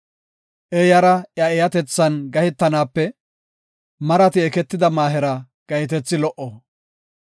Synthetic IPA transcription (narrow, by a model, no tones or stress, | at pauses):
ʔejɐɾɐjɐɛjɐt̪ɛt͡sːɐnɡɐhɪt̪ːɐnaːpːɛ | mɐɾɐt̪ɪɛkɛt̪ːɪd̪ɐmaːɦɛɾɐ | ɡ̥ɐjɪt̪̬ɛt͡sːɪlɔʔo